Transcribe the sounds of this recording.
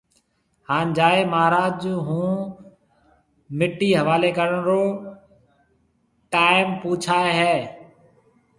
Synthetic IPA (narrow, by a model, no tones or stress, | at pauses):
haːnd͡ʒaːeːmaːɾaːd͡ʒɦũː | mɪʈːiːɦəʋaːleːkəɾəɳɾoː | ʈaːɪmpuːt͡ʃʰaːeɦɛː